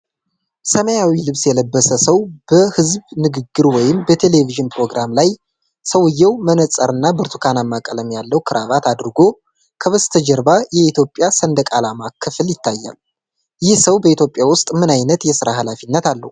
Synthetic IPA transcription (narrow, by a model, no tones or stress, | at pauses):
səməjawilɨβsjɛləbːəsəsəwb̥əhɨzbnɨɡɨɡːɨɾwɔjɪmbət̪ʰe̞le̞viʒɨnpɾo̞ɡɾamlaj | səwɨjːɛwmənəsʼəɾɨnːabɨɾt̪ʰukʰanamːakʼələmjalːəwkʰɨɾʔaβat̪ʰad̪ɾɨɡo̞ | kʰəβəst̪ʰəd͡ʒəɾbajɛit̪ʰjo̞pʼːjasənd̪əkʼalamakʰːɨfɨljɪt̪ʰːajːa̰l | jɪhsəwbəit̪ʰjo̞pʼjawʊst̪ʼmɨnajnət̪jɛsɨɾaɦalafinːət̪alːə̰hu